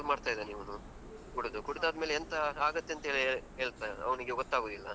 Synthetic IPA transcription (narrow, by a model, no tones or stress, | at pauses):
lmaːɖt̪aːjid̪eniːʋɐnu | kuɽud̪ukuɽud̪aːd̪meːleɛnt̪ɐaːɡɐt̪ːeɐnt̪ɐɦeːɭieːɭt̪ajɐ̰ʋɐniɡeɡɔt̪ːaːɡoːd̪ilːɐ̰